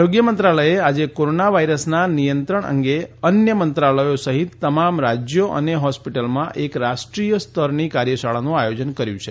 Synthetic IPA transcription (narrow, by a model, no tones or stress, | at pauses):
ɾoɡjəmənt̪ɾaləjead͡ʒekoɾonaʋaiɾəsnanijənt̪ɾəɳ̃ʔə̰ŋɡeənjəmənt̪ɾaləjosəɦit̪ːəmamɾad͡ʒjoʔə̰neɦɔspiʈəlmãʔekɾaʃʈɾijəst̪ʰəɾnikaɾjəʃaɭanũajod͡ʒənkəɾjṵ̃t͡ʃʰe